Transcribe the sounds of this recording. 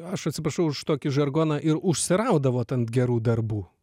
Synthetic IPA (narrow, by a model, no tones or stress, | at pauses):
ɐʃɐt̪ʲsʲɪpɾɐʃɐʊʊʃt̪oːkʲɪʒɐrɡoːnɐʔɪɾʊʃʲsʲɪɾɐʊd̪ɐʋoːt̪ɐnɡʲɛɾuːd̪ɐrbuː